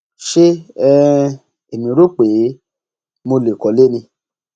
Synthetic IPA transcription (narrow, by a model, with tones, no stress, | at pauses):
ʃe˦ɛ˦ | e˨mĩ˨˦ɾo˦k͡pe˨˦ | mo˧le˨kɔ˨˦le˦nĩ˧